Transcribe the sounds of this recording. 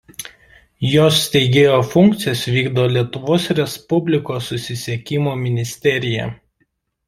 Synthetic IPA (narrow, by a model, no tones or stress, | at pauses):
joːsːt̪ʲɛɪɡʲeːjoːfʊŋkt̪sʲɪjɛsʋʲiːɡd̪oːlʲiɛt̪ʊʋoːsɾʲɛspʊbʲlʲɪkoːsːʊsʲɪsʲiɛkʲɪmoːmʲɪnʲɪsʲt̪ʲɛɾʲɪjɛ̰